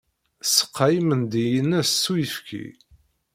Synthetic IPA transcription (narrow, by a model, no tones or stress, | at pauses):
sə̥qːɑjmənd̪ijənæsːujəfkʰḭ